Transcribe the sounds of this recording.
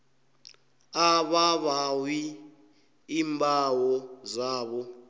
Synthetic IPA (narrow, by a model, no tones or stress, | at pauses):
aβaβawi | iːmbʱawɔzaːβɔ